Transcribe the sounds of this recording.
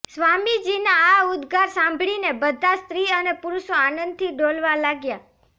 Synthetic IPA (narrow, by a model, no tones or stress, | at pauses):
sʋamid͡ʒinaːʊd̪ɡaɾsãmbʱɭinebəd̪ʱast̪ɾiənepuɾuʃoanənd̪̚t̪ʰiɖolʋalaɡja